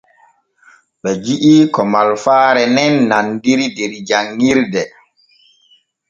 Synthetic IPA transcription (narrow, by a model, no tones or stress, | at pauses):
ɓɛd͡ʒiʔikɔmalfaːɾɛnɛnːandiɾideɾid͡ʒaŋːiɾdɛ